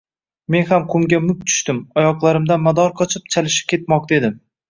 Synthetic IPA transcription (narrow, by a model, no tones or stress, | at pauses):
me̞nhamqʰʊmɡʲamʊk̚ʲt̪ʰʊ̥ʃt̪ɪmɒjɒqlˠaɾɪmd̪anmad̪ɒɾqʰɒt͡ʃʰɪp̚t͡ʃʰalɪʃɪ̥p̚kʲʰe̞t̪̚mɒq̚t̪ed̪ɪm